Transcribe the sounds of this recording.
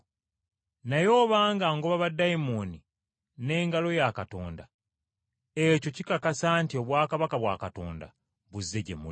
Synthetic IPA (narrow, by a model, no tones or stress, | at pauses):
najo̞ːβaːŋɡaːŋɡoβaβadːaimoni | ne̞ːŋɡalo̞jakato̞ːnda | eco̞cikakasaːntio̞βwaːkaβakaβwa̰ːkato̞̰ːnda̰ | βuzːe̞ɟḛmu